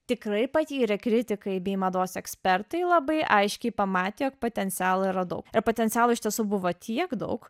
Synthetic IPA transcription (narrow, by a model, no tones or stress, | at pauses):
t̪ʲɪkɾɐɪpɐt̪ʲiːɾʲɛkɾʲɪt̪ʲɪkɐɪbʲeɪmɐd̪oːsɛksʲpʲɛrt̪ɐɪlˠɐbɐɪʔɐɪʃʲkʲɛɪpɐmɑːt̪ʲeːjoːk̚poːt̪ʲɛnʲt̪sʲæːlˠɐiɾɐd̪ɐʊkɪɾpoːt̪ʲɛnʲtsʲæːlˠʊɪʃʲt̪ʲiɛsuːbʊʋoːt̪ʲʰiɛkd̪ɐ̰ʊk